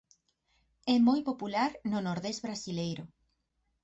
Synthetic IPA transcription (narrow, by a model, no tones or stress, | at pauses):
ɛmojpopulaɾnonoɾðɛzβɾasilejɾʊ